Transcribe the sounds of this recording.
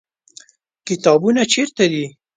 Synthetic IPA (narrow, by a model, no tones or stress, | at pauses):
kɪt̪ɑbunat͡ʃeɾt̪ad̪i